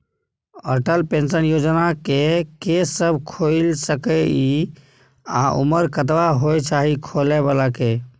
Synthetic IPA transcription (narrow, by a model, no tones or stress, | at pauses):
ə̰ʈəlpẽnsənjod͡ʒnakekesəbʱkʰoɪlsəkəi | a̰ʔṵməɾkət̪̬ʋaɦojt͡ʃaɦikʰolebalake